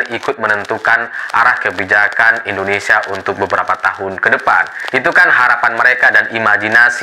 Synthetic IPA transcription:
nikʊt̪̚mənənt̪ukanʔa̰ɾahkəbid͡ʒakanindonesiaʔunt̪ʊk̚bəbəɾapat̪aɦʊnkədəpa̰nit̪ukanhaɾapanməɾekadanimaɡinas

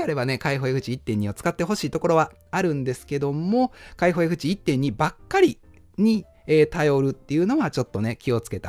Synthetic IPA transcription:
aɾe̞bane̞kaiɦo̞jaɸɯ̟t͡ɕiit̪ːẽ̞ɲ̟ːio̞t͡sɨ̥kat̪ːe̞ɦo̞ɕiːt̪o̞ko̞ɾo̞βa | aɾɯ̟̃nd̪e̞sɨ̥ke̞d̪o̞mo̞kaiɦo̞jaɸɯ̟t͡ɕiːt̪ːẽ̞ɲ̟ːibakːaɾʲi | ɲ̟i | eːt̪ajo̞ɾɯ̟t̪ːe̞jiɯ̟no̞βat͡ɕo̞t̪ːo̞ne̞kʲio̞t͡sɨ̥ke̞t̪a

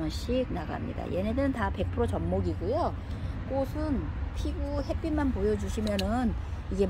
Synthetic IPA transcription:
ŋɕ͈ʰiɡ̚naɡa̰mɲḭda̰jenedɯɾɯntape̞k̚pʰɯɾot͡ɕʌmːoɡiɡujo | k͈osʰɯnpʰiɡuhe̞p͈imanpojʌd͡ʑuɕʰimjʌnɯniɡe̞

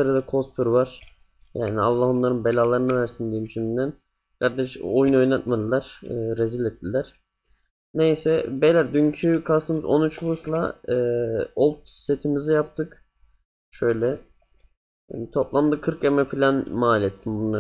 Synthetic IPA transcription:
aɾɯd̪akʰo̞spʰuɾvaɾ̥ | jaːnia̰lˠːahonlˠaɾɯnbelʲaːlˠaɾɯnɯvæɾsind̪iimʃʰinind̪æn | kʰaɾd̪ɛʃojnuo̞jnat̪mad̪ɯlˠaɾ̥ɯːɾezilɛt̪̚ːilʲæɾ̥ | nejsɛbelʲæɾd̪yɲcʰykʰasɯmɯzo̰nyt͡ʃbuslˠa̰ɯːolˠt̪̚se̞t̪ʰimizijap̚t̪ʰɯk | ʃøjlʲɛ | t̪ʰoplˠamd̪ɯkʰɯɾkemɛfilʲanmaːlʲɛt̪ʰːimbunlˠa

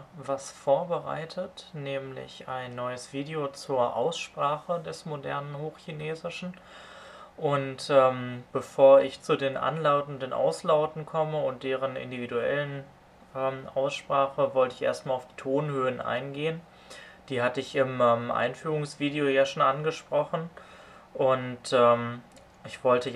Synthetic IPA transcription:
vasfoːɐbəʁa̰ɪtʰətnɛːmlɪ̰çaɪnːɔʏəsv̥iːdeot͡suːɐʔa̰ʊsʃpʁ̥aːχədɛsmodɛ̰ɐnənhoːxçineːzɪʃn̩ | ʔʊntʔɛːmb̥əfoːɐɪçt͡sudeːnʔa̰nlaʊtn̩dənʔa̰ʊslaʊtn̩kʰɔməʊnt̚d̥eːʁənɪ̰ndividuɛ̰lən | ʔɛːmʔa̰ʊsʃpʁ̥aːχəvɔltəɪçʔḛːɐstmaːlaʊfd̥iːtʰoːnhøːənʔa̰ɪnɡeːən | d̥iːhatəɪçɪmɛmʔa̰ɪnfyːʁ̞ʊŋsv̥iːdeojaːʃoːnʔanɡəʃpʁ̥ɔχn̩ | ʔʊntɛːm | ʔɪçv̥ɔltə

